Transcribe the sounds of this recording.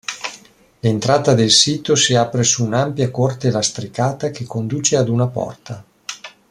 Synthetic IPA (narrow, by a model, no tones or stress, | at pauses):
lent̪ɾaːt̪ad̪elsiːt̪osiapɾesuːnampjakort̪elast̪ɾikaːt̪akekʰːond̪uːt͡ʃead̪unapɔ̰rt̪a